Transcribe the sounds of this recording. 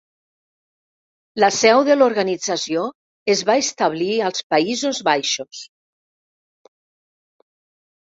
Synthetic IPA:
ləsɛwðəloɾɣanid͡zasio | ezβaest̪aβ̞liəlˠspaizozβajʃos

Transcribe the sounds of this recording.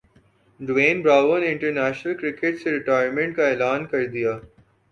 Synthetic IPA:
ɖʋẽːnbɾaːʋəneɪ̃ɳʈəɾnɛːʃnəlkɾɪkeʈseɾɪʈaːjəɾmẽɳʈkaeːlaːnkɐɾd̪ijaː

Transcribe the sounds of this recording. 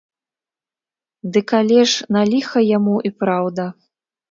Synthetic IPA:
d̪ɨkalʲɛʂnalʲixɐjamuʔipɾawd̪ɐ

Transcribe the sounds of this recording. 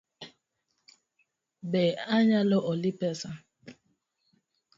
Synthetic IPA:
bɛaɲalɔʔɔlipɛsa

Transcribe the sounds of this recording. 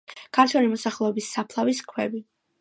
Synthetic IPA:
kʰaɾt̪ʰwɛlimɔsaχlˠɛɔbisːapʰlˠaviskʰwɛbi

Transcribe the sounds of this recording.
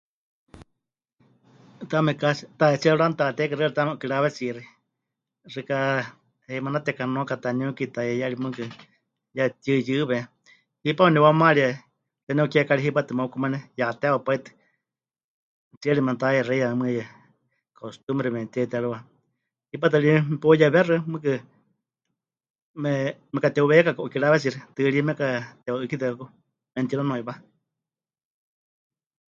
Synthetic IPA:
t̪amɛkasit̪aɛt͡siaɺant̪at̪ɛkaɾɨaɾit̪amɛkiɺaβɛt͡siri | rika | heimanat̪ɛkanõkat̪aniõkit̪ajɛjaɺimukɨ | jat̪ʲɨjɨβɛ | hipaunɛwamaɺia | t̪ɛnɛkɛkaɺiɦipat̪ɨmaukumanɛjat̪ɛaopait̪ɨ̥ | t͡sieɾimant̪ajɛreiamɨjɛ | kʰost̪umɾɛmɛt̪iet̪ɛɾuwa | hip̬at̪̬ɨɾipojɛβɛrɨmɨkɨ | mɛmɛkat̪ɛuβɛkakoʔkiɺaβɛsiɾɨt̪ɨɺimɛkat̪ɛoɨkit̪̬ɨkaku | mɛnt̪iɾanõiba

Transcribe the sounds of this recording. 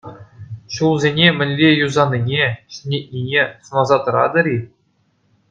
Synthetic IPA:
ɕulˠzʲenʲemʲɘ̆nʲlʲejuzɑnʲːinʲeɕɘ̥nʲet̚ʲnʲinʲesɤ̆nɑzɑt̪ɤ̆ɾɑ̰d̪ɤ̆ɾʲi

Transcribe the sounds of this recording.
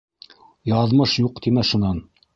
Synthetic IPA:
jɑðmɤʃjuqt̪imæʃunɑn

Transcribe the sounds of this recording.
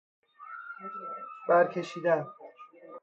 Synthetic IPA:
b̥æɾcʲʰe̞ʃiːd̪æn

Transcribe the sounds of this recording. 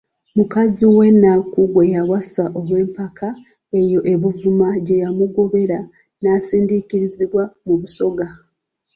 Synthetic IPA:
mukaziwe̞nːakuɡwe̞jawasaʔo̞βwe̞ːmpakʰa | e̞jo̞ʔe̞βuvumaɟe̞jamuɡo̞βe̞ɾa | naːsiːndikiɾiziβwamuβuso̞ɡa

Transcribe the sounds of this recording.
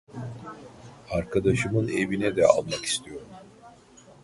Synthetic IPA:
aɾkʰad̪aʃɯmɯne̞vinɛd̪ɛa̰lˠmaki̥st̪ʰijo̞ɾum

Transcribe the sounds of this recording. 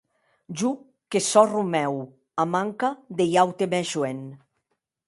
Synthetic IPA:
ʒu | kesɔrumɛw | amaŋkad̪ejawt̪emɛʃuen

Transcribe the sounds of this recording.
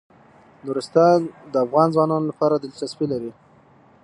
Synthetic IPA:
nʊɾʊst̪ad̪əafɣɑnzwɑnɑnolapɑɾad̪ɪlt͡ʃaspilaɾi

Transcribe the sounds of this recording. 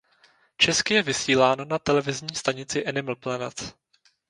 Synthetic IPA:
t͡ʃɛskɪjɛvɪsiːlaːnonat̪ɛlɛvɪzɲiːst̪aɲɪt͡sɪʔɛnɪml̩plɛnɛt͡s

